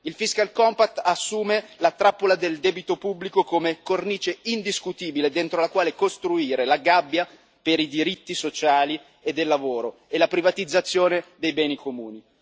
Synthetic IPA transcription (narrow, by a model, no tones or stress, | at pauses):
ilfiskalkɔmpat̪ːasːuːmelat̪ɾapːolad̪eld̪ɛːbit̪opubːlikokomekorniːt͡ʃeind̪iskut̪iːbiled̪ent̪ɾolakwaːlekost̪ɾuiːɾelaɡabːja | peɾid̪iɾit̪ːisot͡ʃaːli | ed̪ːelːavoːɾoelapɾivat̪id̪zːat̪sːjoːned̪ejbɛːnikomuːni